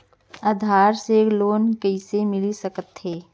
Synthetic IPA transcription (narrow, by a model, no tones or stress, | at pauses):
aːd̪ʱaːɾsekloːnkɐɪsemɪlisəkət̪ɦeː